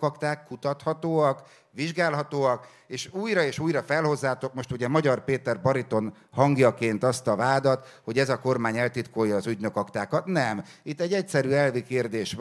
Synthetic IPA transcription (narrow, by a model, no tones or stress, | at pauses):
kɒkt̪aːkːut̪ɒt̪hɒt̪oːɒk | ʋiʒɡaːlɦɒt̪oːɒk | eːʃuːjɾɒeːʃuːjrɒfɛlho̞zːaːt̪o̞kmo̞ʃt̪uɟɛmɒɟɒrpeːt̪ɛrbɒɾit̪o̞n | hɒŋɡjɒkeːnt̪ɒst̪ɒvaːd̪ɒt̪ | ho̞ɟɛzɒko̞rmaːɲɛlt̪it̪ko̞jːɒːzyɟnø̞kɒkt̪aːkɒt̪nɛmit̪ːɛɟːɛcsɛɾyːɛlvikeːrd̪eːʃʋ